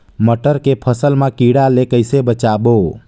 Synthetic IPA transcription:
məʈəɾkepʰəsəlmãkiɽalekəɪsebət͡ʃabo

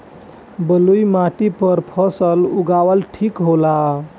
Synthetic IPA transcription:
bəlujmaʈipəɾpʰəsəluɡaʋəlʈʰikɦola

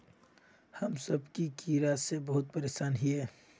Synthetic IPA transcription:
hɐmsəbkikiːɾasebɐɦʊt̪̚pɐɾeːsaːnɦiɛː

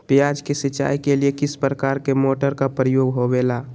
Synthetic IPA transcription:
pjaːd͡ʒkesɪt͡ʃa̰ːikeliekɪspɾəkaːɾkemoːʈəɾkapɾijoːɡɦobelaː

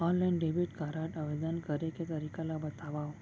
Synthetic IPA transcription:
ɔ̃nlainɖebiʈkaɾaʈəʋed̪ənkəɾeket̪əɾikalabət̪aʋaʋ

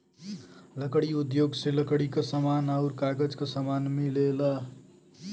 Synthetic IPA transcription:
ləkɽiud̪joɡseləkɽikəsamanauɾkaɡəd͡ʒkəsamanmelela

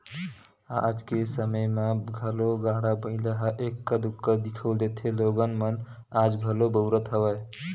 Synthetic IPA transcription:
aəd͡ʒkesəməjmeɡʱəloɡãɽabə̃ɪ̃ləɦaʔekːəd̪ukːəd̪ikʰəwld̪et̪ʰeloɡənmən | ad͡ʒɡʱəlobəʊɾət̪ɦəbəj

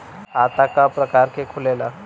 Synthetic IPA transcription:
at̪akapɾəkaɾkekʰulela

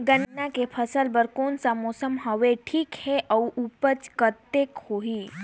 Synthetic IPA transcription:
ɡənːakepʰəsəlbəɾkonsamɔsəmɦəʋeʈʰiːkheʔəwʔupət͡skət̪ːekhoɦi

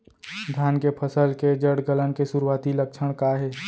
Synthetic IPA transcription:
d̪ʱjaːnkepʰəsəlked͡ʒəɽɡələnkesʊɾuwaːt̪iləkʃʰəɽ̃kaɦeː

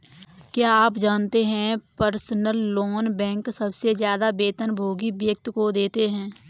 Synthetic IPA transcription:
kjaːaːpd͡ʒaːnt̪eɦɛ̃pəɾsnəlːoːnbɛ̃ːŋksɐbsezjaːd̪abeːt̪ənbʱoːɡibjək̚t̪kod̪eːt̪eɦɛ̃ː

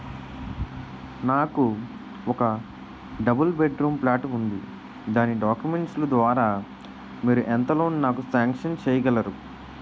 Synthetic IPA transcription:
naːku | ɔkɐ | ɖɐbɐlbeɖɾuːmplaːʈund̪i | d̪aːniɖaːkjumeɳʈslud̪ʋaːɾaː | miːɾuʔɛnt̪ɐloːnnaːkusaːŋkʂɐnt͡ʃɛːjɐɡɐlɐɾu

